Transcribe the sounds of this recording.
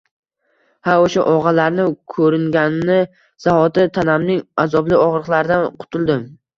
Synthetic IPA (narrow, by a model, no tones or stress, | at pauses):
haoʃaʔɒʁɑlaɾnɪkʰɵɾɪŋɡʲanːɪ | z̥ahɒt̪ɪt̪ʰanamnɪŋazɒblɪɒʁɾɨqlaɾɪd̪anqʰʊ̥t̪ʰɪlˠd̪ɪm